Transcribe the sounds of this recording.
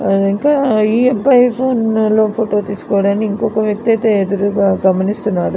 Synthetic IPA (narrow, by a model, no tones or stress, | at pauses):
ɐiŋkaiːbɐjpʰoːnɐlopʰoːʈoːt̪iːskoːɽɐniiŋkoːkɐʋjɐk̚t̪ɐt̪eed̪ɐɾuɡɐɡɐmːɐnisʈ̪unaːɾu